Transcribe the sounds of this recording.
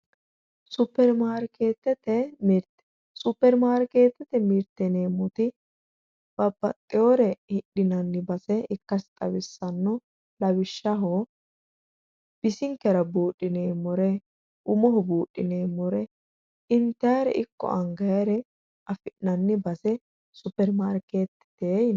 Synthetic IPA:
sʊpːɛɾmaːɾkeːt̪ːɛt̪ːɛmɾt̪ | supːɛɾmaːɾke̞ːt̪ːɛt̪ɛmiɾt̪ːɛneːmʊt̪ɪ | b̥ɐbːɐt̪ʼːɪjoɾɛhɪɗɪnɐnːɪbɐsɛɪkːɐst̪ʼɐwɪsːɐnːɔ | lɐwɪʃːɐɦoː | b̥ɪsɪŋkːɛɾɐbuːɗʼːɪneːmɔɾɛ | ʔʊmɔɦɔbuːɗːɪneːmɔɾɛ | ɪnt̪ːɐjɾɛ̰ʔɪkːɔ̰ʔɐŋɡɐjɐɾɛ | ʔɐfɪʔnɐnːɪbɐsɛ | sʊpːɛɾmaːɾke̞ːt̪ːɪ̥t̪eː

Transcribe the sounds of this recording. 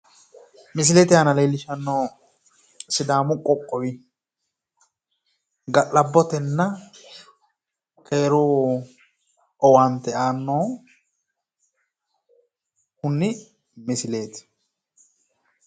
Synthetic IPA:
mɪs̬ɪleːt̪ɪaːnɐleːlːɪʃɐnːoː | sɪd̪aːmʊkʼːɔkʼːɔwɪ | ɡɐʔɐbːɔt̪ɛnːɐ | kʼeːɾoː | ɔwant̪ɛaːnːoː | hʊnːɪ | mɪsɪleːt̪

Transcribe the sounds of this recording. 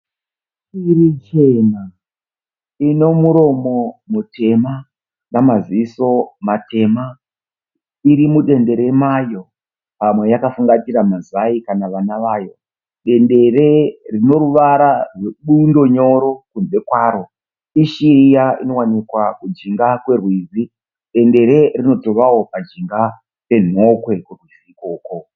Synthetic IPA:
irit͡ʃe̞na | ino̞muɾo̞mo̞mutʰe̞ma | namaziso̞matʰe̞ma | iɾimuɗe̞nde̞ɾe̞majo̞ | pamwe̞jakafuŋɡatiɾamazaikanaʋanaʋaːjo̞ | ɗe̞nde̞rerino̞ɾuʋaɾaʐeɓundo̞ɲo̞ɾo̞kune̞kwaːɾo̞ | iʃiijaino̞wanikwakud͡ʒiŋɡakwe̞rwizi | ɗe̞nde̞ɾe̞rino̞to̞ʋawo̞pad͡ʒiŋɡa | pe̞n̤o̞kwe̞kurwiziːkoːko

